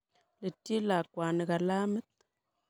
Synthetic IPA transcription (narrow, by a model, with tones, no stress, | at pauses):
le˨tːi˦la˨kwa˨ni˨ka˨la˦mɨ˦t̪̚